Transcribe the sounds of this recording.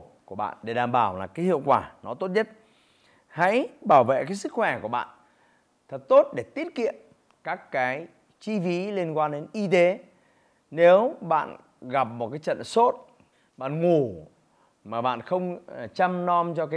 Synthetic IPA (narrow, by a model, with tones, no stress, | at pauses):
ku˧˩ə˩ɓa̰ː˧˨nɗe˧˩ɗaː˨˩mɓaː˧˩wlaː˨˩kaː˨˦jhḭ˧˨əwkwaː˧˩nɔ˨˦t̪o˦˥t̚ɲə˦˥t̚ | ha̰˧˥jɓaː˧˩wvḛ˧˨kaː˨˦jsɨ˦˥k̚xwɛ˧˩ku˧˩əɓa̰ː˧˨n | t̪ʰə˨˩t̚t̪o˦˥t̚ɗe˧˩t̪i˦˥ət̚kḭ˧˨əm | kaː˦˥kːaː˨˦j | t͡ɕi˧fi˨˦li˧ənkwaː˧nɗe˨˦nʔi˧t̪e˨˦ | ne˨˦wɓa̰ː˧˨n | ɣa˨˩p̚mo˨˩t̚kaː˨˦jt͡ɕə̰˧˨nso˦˥t̚ | ɓa̰ː˧˨nŋu˨˩ | maː˨˩ɓa̰ː˧˨nxə˧wŋ͡mt͡ɕa˧mnɔ˧mt͡ɕɔ˧k̬aː˨˦